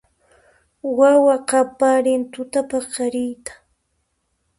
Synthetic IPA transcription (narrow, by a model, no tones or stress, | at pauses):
wawaqɑpaɾɪnt̪ʊt̪apaqɑɾɪjt̪ḁ